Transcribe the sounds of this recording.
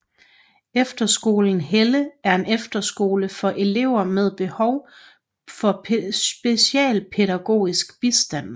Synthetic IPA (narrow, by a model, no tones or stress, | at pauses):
efd̥ɐsɡ̥o̝̰ːln̩ɦeləæɐe̝nefd̥ɐsɡ̥o̝̰ːləfɒ̽ʔe̝le̝ʊ̰ɐmeð̞ˠb̥e̝hɒʊ | fɒ̽sb̥e̝siɛ̰ːlpʰe̝ɾæɡ̥o̝̰ːisɡ̥b̥isd̥æn̰